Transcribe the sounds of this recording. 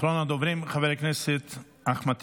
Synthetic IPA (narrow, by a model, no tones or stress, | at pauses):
ɾɔnad̪ovɾɪmχavɛɾɪknɛsɪt̪ | aχmat̪